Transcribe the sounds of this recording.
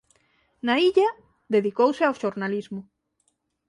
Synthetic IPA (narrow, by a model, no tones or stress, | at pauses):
naiʎa | ðeðikowseawʃoɾnalizmʊ